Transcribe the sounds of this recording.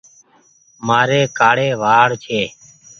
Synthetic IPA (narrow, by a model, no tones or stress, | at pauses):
maːɾeːkaːɽeːʋaːɽt͡ʃʰeː